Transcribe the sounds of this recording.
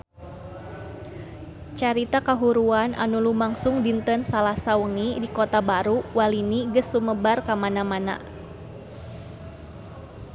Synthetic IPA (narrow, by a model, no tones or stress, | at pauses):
t͡ʃaɾit̪akaɦuɾuanʔa̰nulumaŋsʊŋdint̪ənsalasawəŋidikot̪abaɾuwaliniɡəsluməbarkamanamana̰